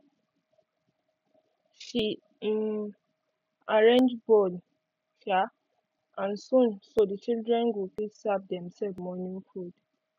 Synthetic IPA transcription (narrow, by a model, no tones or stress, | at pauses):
ʃi | in | aɹẽnd͡ʒbɔd | ʃa | ʔãnsũnsodit͡ʃildɹɛ̃nɡupisab̚dɛ̃msɛlvmɔnĩŋfud̥